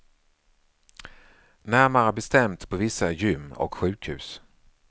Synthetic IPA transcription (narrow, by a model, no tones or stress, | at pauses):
næɾmaabɛst̪ɛmt̪pʰɔvɪsːajʏmːɔ̰kɧʉ̟ːkhʉ̟ːs